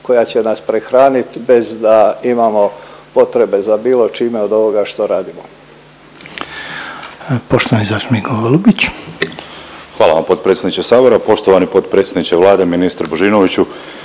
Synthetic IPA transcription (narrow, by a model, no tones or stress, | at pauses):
kojat͡ɕe̞naspɾexɾaːnit̪be̞zd̪aimamo̞po̞t̪ɾe̞be̞zabiːlˠo̞t͡ʃiːme̞od̪o̞ʋo̞ɡaʃt̪o̞ɾaːd̪imo | poʃt̪oʋanizasmiɡoʋelˠubit͡ɕ | xʋaːlˠa̰ʋampo̞t̪̚pɾet̪sʲed̪nit͡ʃesaːbo̞ɾapo̞ʃt̪oʋanipo̞t̪̚pɾet̪sʲjʲed̪nit͡ʃeʋlaːd̪eminist̪ɾboʒinoʋit͡ɕu